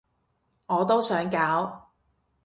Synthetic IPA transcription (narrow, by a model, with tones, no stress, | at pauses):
ŋɔː˨˧t̪o˥wsœː˨˥ŋkaː˨˥w